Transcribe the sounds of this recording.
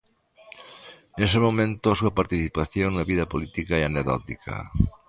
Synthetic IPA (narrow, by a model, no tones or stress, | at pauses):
nesɪmomẽnt̪ʊɐsuɐpaɾt̪iθipaθjoŋnɐβiðɐpolit̪ikɐeaneɣðɔ̰t̪ḭkʰɐ̰